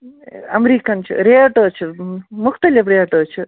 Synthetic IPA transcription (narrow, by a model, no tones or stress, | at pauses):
ɐmɾiːkɐnt͡ʃʰɨ̰ɾeːaʈəːt͡ʃʰɨmʊxt̪ɐlifɾeaʈəːt͡ʃʰɨ